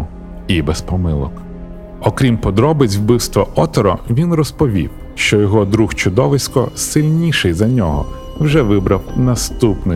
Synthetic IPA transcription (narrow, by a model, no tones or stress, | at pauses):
ibɛspɔmɪlˠɔ̰k | ɔkɾʲimpɔd̪ɾɔbɪt͡sʲwbɪwst̪ʋɐʔɔt̪ɔɾɔ̰ʋʲinrɔspɔʋʲḭw | ʃt͡ʃɔjɔɦɔd̪ɾuxt͡ʃʊd̪ɔʋɪsʲkɔsɪlʲnʲiʃɪjzɐnʲɔɦɔ̰ | wʒɛʋɪbɾɐwnɐst̪upnɪ